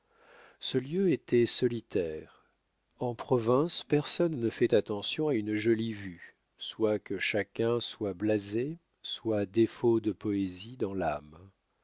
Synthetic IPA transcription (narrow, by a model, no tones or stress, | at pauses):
səljøet̪ɛsɔlit̪ʰɛʁ | ɑ̃pχɔvɛ̃spɛʁsɔnːəfɛt̪at̪ɑ̃sjɔ̃aynʒɔlivy | swakəʃakʲɛ̃swablaze | swad̪efod̪əpɔezid̪ɑ̃lam